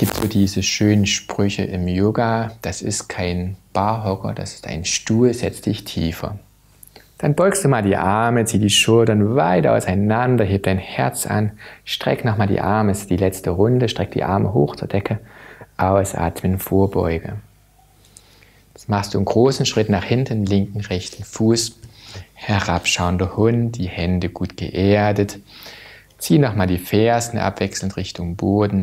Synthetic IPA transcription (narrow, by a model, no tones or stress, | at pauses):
ɡ̥iːp̚tz̥oːdiːzəʃøːnənʃpʁ̥ʏçəʔɪmjoːɡad̥asɪ̰stkʰaɪnb̥aɐɦɔkɐ̰da̰sɪ̥stʔa̰ɪnʃtuːlzɛt͡std̥ɪçtʰiːfɐ̰ | d̥anbɔʏkstd̥uːmaːldiːʔaɐmət͡siːdiːʃʊltɐnvaɪtʔa̰ʊsaɪnandɐɦeːp̚d̥aɪnhɛɐt͡sʔa̰nʃtʁ̥ɛ̰knɔχmaːldḭːʔaɐməsd̥iːlɛt͡stəʁʊndəʃtʁ̥ɛk̚d̥ḭːʔaɐməɦoːxt͡suːɐd̥ɛkʰəʔaʊsʔa̰ːtmənfoːɐbɔ̰ʏɡə | maχst̚d̥uːənɡʁoːsn̩ʃʁ̥ɪtnaːχhɪntn̩lɪŋkŋ̩ʁɛçtn̩fuːs | hɛɐʁapʃaʊəndɐhʊntd̥iːhɛndəɡ̥uːtɡ̥ə̰ʔeːɐdət | t͡siːnɔχmaːldiːfɛːɐzn̩ʔa̰pv̥ɛksl̩n̩tʁɪçtʊŋboːdn̩